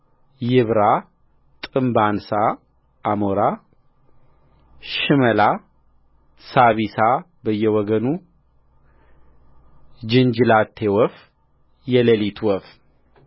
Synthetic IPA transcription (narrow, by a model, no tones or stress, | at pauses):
jɪβɾa | t̪ʼɨmbansa | ʔːmoɾa | ʃɨməla | saβisa | bəjːɛwɔɡənu | d͡ʒɨnd͡ʒɨlat̪ʰːewɔf | jɛləlit̪ʰwɔf